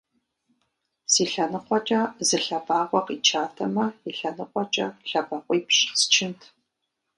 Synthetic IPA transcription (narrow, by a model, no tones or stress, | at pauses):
siːɬɐnɨqʷɔt͡ʃʼɐzɨɬɐbaːʁʷɔqit͡ʃʰaːtʰɐmɐiɬɐnɨqʷʼɔt͡ʃʼɐ̰ɬɐbɐqʷʼɔjpʃst͡ʃʰɪntʰ